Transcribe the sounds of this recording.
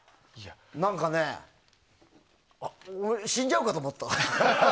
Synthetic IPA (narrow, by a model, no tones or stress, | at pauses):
a | nãŋkane | ɕĩɲd͡ʑaɯkat̪oːmot̪ːa